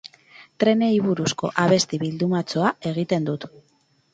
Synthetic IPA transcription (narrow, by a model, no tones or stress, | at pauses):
t̪ɾe̞ne̞jβ̞uɾusko̞̰ʔaβ̞e̞st̪iβild̪umat͡so̞ae̞ɣ̞it̪e̞nd̪ut̪